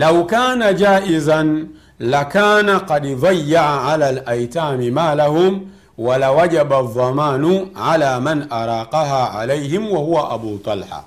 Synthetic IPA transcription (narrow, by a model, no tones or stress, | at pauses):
lawkaːnad͡ʒaːʔɪzan | lakaːnaqɑdðˤɑjːaʕaʕalaːlʔajtaːmimaːlahʊm | walawaʄaɓaðˤːɑmaːnuʕalaːmanʔaɾˤɑːqɑɦaːʕa̰lajhɪmwahuwaʔaɓuːt̪ˤɑlħa̰